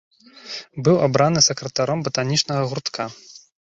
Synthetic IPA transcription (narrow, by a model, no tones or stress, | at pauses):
bɨwabɾanɨsɐkɾɐt̪aɾɔmbɐt̪anʲit͡ʂnɐɣɐɣurt̪kʰa